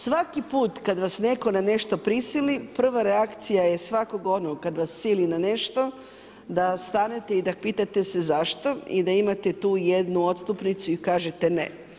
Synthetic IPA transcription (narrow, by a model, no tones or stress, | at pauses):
sʋakipuːt̪kad̪ʋasne̞ko̞nane̞ʃt̪o̞pɾisilipr̩ʋaɾeakt̪sijaje̞sʋako̞ɡo̞noɡkad̪ʋasːilinane̞ʃt̪o̞ | d̪ast̪ane̞t̪e̞id̪apiːt̪at̪e̞se̞zaʃt̪o̞ḭd̪aimat̪et̪uːjed̪nuot̪st̪upnit̪suikaːʒet̪enḛ